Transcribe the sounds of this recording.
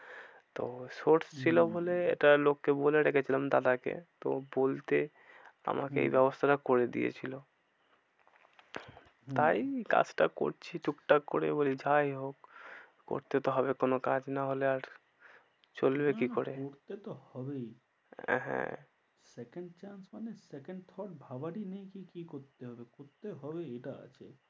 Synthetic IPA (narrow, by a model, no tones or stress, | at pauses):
t̪osoɾst͡ɕʰilobʱoleḛʈalokːeboleɾekʰet͡ɕʰilamd̪ad̪akḛt̪obolt̪e | a̰makeḛjbɛbost̪ʰaɾakoɾed̪ḭḛt͡ɕʰilo | t̪ajka̰d͡ʑʈako̰ɾt͡ɕʰiʈukʈakoɾḛbolid͡ʑʱajɦokː | o̰ɾt̪et̪oɦɔbekonokad͡ʑnaɦoleaɾ | t͡ɕolbekikoɾekoɾt̪et̪ohɔbej | ɦɛ̰̃ | sekeɳɖ̚t͡ɕansmanesekeɳɖ̚t̪ʰɔɾɖbʱabaʈinejkikikoɾt̪eɦɔbekoɾt̪eɦɔbeejʈaa̰t͡ɕʰe